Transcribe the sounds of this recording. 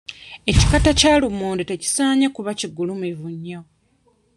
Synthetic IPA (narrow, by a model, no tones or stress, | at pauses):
e̞ci̥katacaːlumoːndete̞ci̥saːɲakuβaciɡulumevuɲːa